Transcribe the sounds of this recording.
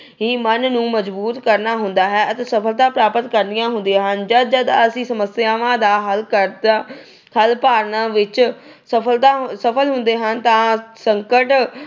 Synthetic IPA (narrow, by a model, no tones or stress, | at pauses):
ɦiːmənnũːməd͡ʒbuːt̪kəɾnaːɦʊnd̪aːɦɛːət̪eːsəpʰəlt̪ãːpɾaːpət̪kəɾnɪjãːɦʊ̃nd̪iãːɦənd͡ʒəd̪̚d͡ʒəd̪əsĩːsəməsjaːʋãːd̪aːɦəlkəɾd̪a | kəlpaːɾnãːʋɪt͡ʃ | səpʰəlt̪aːsəpʰəlɦʊnd̪eːɦənt̪ãːsəŋkəʈ